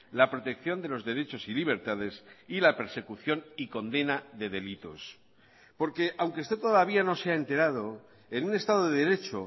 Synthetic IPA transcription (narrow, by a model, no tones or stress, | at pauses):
lapɾo̞t̪e̞kθjo̞nd̪e̞lo̞zðe̞ɾe̞t͡ʃo̞siliβe̞ɾt̪aðe̞silape̞ɾse̞kuθjoniko̞nd̪e̞naðe̞ðe̞lit̪o̞̰s | po̞ɾke̞ʔawŋkest̪et̪oðaβ̞iano̞se̞aent̪e̞ɾað̞o̞ | enune̞st̪aðoðeðeɾe̞t͡ʃo̞